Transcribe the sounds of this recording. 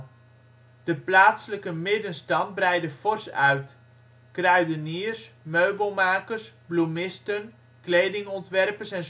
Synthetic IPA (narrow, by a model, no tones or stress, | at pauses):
d̥əplaːtsələkəmɪdənstɑn̚brɛjdəfɔrsœɥt | krœɥdənirsmøɥbəlˠmaːkərsblumɪstən | klejdɪŋɔntʋɛrpəsɛn